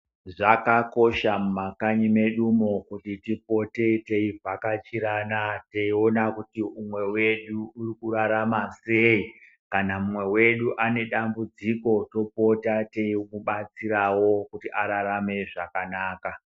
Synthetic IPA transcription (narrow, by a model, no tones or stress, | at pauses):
ʐakako̞ʃamumakaɲime̞ɗumokutitipo̞te̞te̞ivʱakat͡ʃiɾanateio̞nakutiumwe̞weɗuurikuraɾamase̞i | kanamumwe̞we̞ɗuʔane̞ɗambud͡ziko̞to̞po̞tate̞ikuɓat͡siɾawo̞kutiʔaɾaɾame̞ʐakanaːka